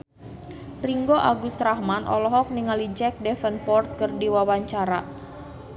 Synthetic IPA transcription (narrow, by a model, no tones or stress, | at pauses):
riŋɡoʔaɡust̪ɾahmanʔɔ̰lɔɦɔk̚niŋalid͡ʒɛk̚dɛfənpɔrt̪̚kərdiwawaɲt͡ʃaɾa